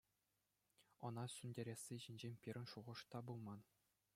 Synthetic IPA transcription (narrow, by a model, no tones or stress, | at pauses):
ɤ̆nɑsʲynʲdʲeɾʲesʲːiʑinʲd͡ʑemʲpʲiɾʲɘ̆nʂuʁɤ̆ʂt̪ɑbulˠmɑn